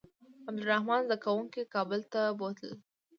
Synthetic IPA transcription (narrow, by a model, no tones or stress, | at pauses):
ab̚d̪ʊɾahmɑnzd̪akawuŋkekɑbəlt̪abot̪ə̰l